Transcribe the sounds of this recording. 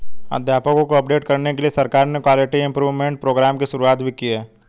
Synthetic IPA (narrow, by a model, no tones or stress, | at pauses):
ə̰d̪ʱjaːpəkõkoɐpɖeːʈkɐɾnekeliesɐɾkaːɾnekwaːlɪʈiɪ̃mpɾuːʋmẽɳʈ̚pɾoːɡɾaːmkiʃʊɾuaːt̪bʱikiɦɛː